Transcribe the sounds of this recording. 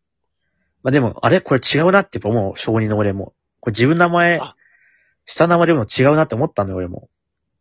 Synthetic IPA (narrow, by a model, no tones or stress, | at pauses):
mad̪e̞mo̞̰a̰ɾe̞ko̞ɾe̞t͡ɕiɡaɯ̟nat̪ːeipːamoɕo̞ːɲ̟ĩnːoːɾe̞mo̰ | ko̞ɾed͡ʑibɯ̃nːamae | ɕi̥t̪anamaeot͡ɕiɡaɯ̟nat̪ːeomo̞t̪ːanojooɾe̞mo̰